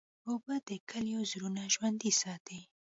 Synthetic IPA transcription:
obad̪əkʰəljozɾunaʒwand̪isɑt̪ʰi

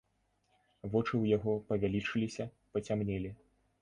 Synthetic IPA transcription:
vɔt͡ʂɨwjaɣɔpɐvʲalʲit͡ʂɨlʲisʲɐ | pɐt͡sʲamnʲɛlʲi

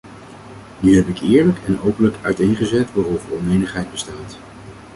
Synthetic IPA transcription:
nyɦɛpɪkɪːɹləkʰɛnowpənləkœɥtejnχəzɛtʋaːrɔvərɔnejnəχɦɛjd̚bəstaːt

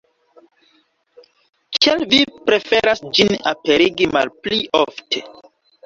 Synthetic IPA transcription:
t͡ʃalvipɾe̞fe̞ɾasd͡ʒinape̞ɾiɡima̰lplioftʰe̞̰

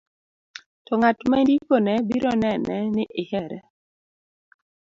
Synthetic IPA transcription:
tɔŋatmandikonɛbiɾɔnɛnɛnɪʔɪhɛɾɛ̰

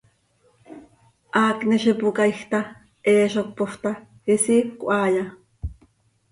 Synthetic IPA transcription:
ʔaːkniʃipukaixt̪a | ʔeːʃok̚poht̪a | hisikʷʔaːja

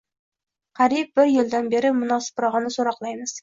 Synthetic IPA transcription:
qʰɑɾip̚bɪɾjeld̪ænbeɾɪmʊnɑsɨ̥pɾɑʁɑnɪsoɾɑqlˠɑjmɨz̥

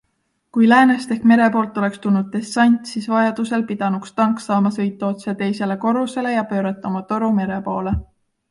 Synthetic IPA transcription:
kujlæːnest̪e̞hkme̞ɾe̞po̞ːlt̪ːˑo̞le̞kst̪unːud̪̥̚t̪e̞sːɑnʲt̪ʲsiːsvɑjɑd̪̥use̞lpid̪̥ɑnukst̪ɑŋksɑːmɑsɤ̞jt̪ːˑɑo̞t̪set̪e̞jse̞le̞ko̞ɾuse̞le̞jɑpø̞ːɾɑt̪ːˑɑmɑt̪o̞ɾume̞ɾe̞po̞ːle̞

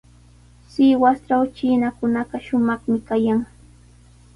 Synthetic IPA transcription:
sɪwast͡ʃawt͡ʃɪnakʊnɑɢɑʃʊmɑχmɪkajaŋ

